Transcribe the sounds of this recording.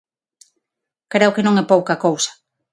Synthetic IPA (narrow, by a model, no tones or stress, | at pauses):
kɾeokenõŋɛpowkɐkowsɐ̥